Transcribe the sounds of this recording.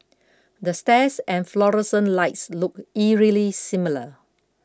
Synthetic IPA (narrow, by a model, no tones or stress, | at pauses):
dəstɛsɛ̃nflɔɹɛ̃sə̃nlaɪtslʊk̚iɹilisĩmilə